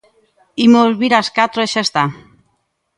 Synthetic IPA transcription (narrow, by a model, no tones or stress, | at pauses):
imozβiɾaskat̪ɾoeʃest̪a